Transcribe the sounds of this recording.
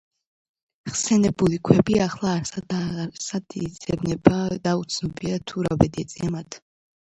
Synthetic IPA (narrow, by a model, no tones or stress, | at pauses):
χsɛnɛbulikʰwɛbiaχlˠaɾsad̪sad̪̥id̪zɛbnɛbad̪aut̪sʰnɔbiat̪ʰuɾa̰vɛd̪iɛt̪sʼiamat̪ʰ